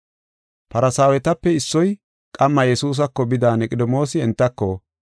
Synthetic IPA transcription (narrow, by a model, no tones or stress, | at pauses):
pɐɾɐsaːwɛt̪ɐpːɛɪsːɔj | kʼɐmːɐjɛsuːs̬ɐkːɔbɪd̪aːnɛkʼɪd̪ɔmo̞ːsɪɛnt̪ːɐkːo